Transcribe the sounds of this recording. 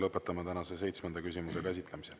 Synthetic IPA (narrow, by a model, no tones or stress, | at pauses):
lɤpːˑet̪ːˑɑmɑt̪ænɑsese̞jt̪smend̪̥ɑkysʲimuse̞kæs̬ʲit̪ˑlemise